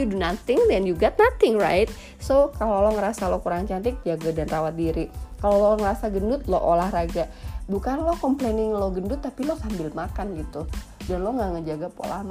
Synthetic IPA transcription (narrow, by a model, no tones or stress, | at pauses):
judunat̪ɪŋd̪ɛnjuɡat̪̚nat̪ɪŋra̰jt̪̚ | sokalolɔŋəɾasalɔkuɾaŋt͡ʃant̪̬ɪk̚d͡ʒaɡadanrawat̪̚diɾikaloloŋəɾasaɡəndʊt̪̚lɔ̰ʔolahraɡabukanlɔhkɔmplenɪŋloɡəndʊt̪ːapilɔsambɪlmakanɡit̪udanlɔŋɡaʔŋəd͡ʒaɡapo̰la̰hma